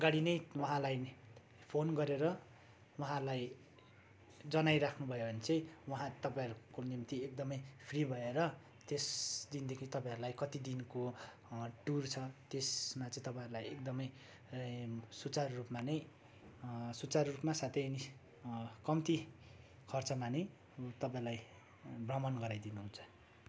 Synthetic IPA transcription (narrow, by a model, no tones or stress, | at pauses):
ʌɡaɽinʌjwʌɦãlajn | pʰonɡʌɾeɾʌ | wʌɦãɾlaj | d͡zʌnajɾakʰnubʱʌjobʱʌnet͡sʌ̃j̃wʌɦãt̪ʌpãĩʌɾukonimt̪iek̚d̪ʌmʌjpʰribʱʌeɾʌ | t̪esd̪ind̪ekʰit̪ʌpãj̃ʌɾulajkʌt̪id̪inko | ʈurt͡sʰʌt̪esmat͡sʌ̃ĩt̪ʌpãjɾulajek̚d̪ʌmʌj | sut͡sarrupmanʌj | sut͡sarrupmasat̪ʰʌjʌni | kʌmt̪i | kʰʌrt͡sʌmanʌj | t̪ʌpãiɾlaj | brʌmʌnɡʌɾajd̪inuɦũnt͡sʰʌ̥